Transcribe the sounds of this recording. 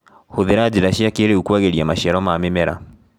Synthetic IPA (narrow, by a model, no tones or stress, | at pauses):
hoðeɾad͡ʑiɾaʃiakeɾeukwaɣeɾiamaʃiɛɾɔmaːmemɛɾa̰